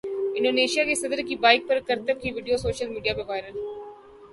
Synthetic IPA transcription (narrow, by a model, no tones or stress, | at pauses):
ɪ̃ɳɖoːneːʃijaːkeːsəd̪əɾkiːbaːɪk̚pəɾkəɾt̪əkʰːiʋiːɖijoːsoːʃəlmiːɖijaːpəʋaːɪɾəl